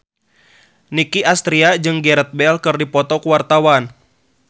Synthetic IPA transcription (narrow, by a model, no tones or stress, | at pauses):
nikiʔast̪ɾiad͡ʒɨŋɡɛɾət̪̚bɛlkɨrdipɔt̪ɔkuwart̪awan